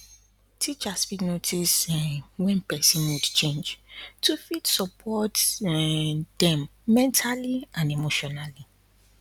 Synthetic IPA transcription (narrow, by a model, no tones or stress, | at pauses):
tʰit͡ʃasfiknotʰisɛwɛ̃npʰɛsĩnwudt͡ʃʰẽnd͡ʒtʰufitsɔpʰɔt | d̥ɛ̃mːɛ̃ntʰaliãnemoʃɔnali